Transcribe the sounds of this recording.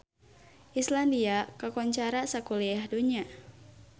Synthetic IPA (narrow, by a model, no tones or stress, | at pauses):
ʔislandiakakɔɲt͡ʃaɾasakuliahduɲa